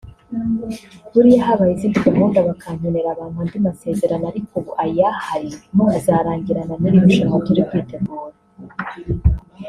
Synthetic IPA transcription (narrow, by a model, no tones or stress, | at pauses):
βuɾijaɦaβajiziːnditamuːndaβakʰaɲoneɾaβaːnhuandimase̞ze̞ɾanaɾikoʔajahaɾinuazaɾaːɲɡiɾananiɾiβiʃomotuɾib̚ɡiːtemuːɾa